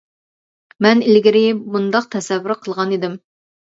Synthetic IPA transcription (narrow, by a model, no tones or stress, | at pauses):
mɛnɪlɡʲɪɾɪbund̪ɑq̚t̪ʰɛsɛvːɾɾqʰəlˠʁɑnid̪ɪm